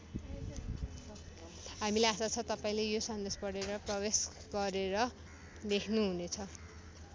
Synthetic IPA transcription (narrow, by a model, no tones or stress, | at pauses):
ɦamileasat͡sʰʌt̪ʌpaĩlejosʌnd̪espʌɽeɾʌprʌwes | ɡʌɾeɾʌ | d̪ekʰnuɦunet͡sʰʌ